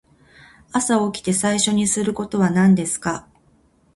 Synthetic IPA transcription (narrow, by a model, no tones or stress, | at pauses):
asaokʲi̥t̪e̞saiɕo̞ɲ̟isɨɾɯ̟ko̞t̪o̞βanãnd̪e̞sɨ̥ka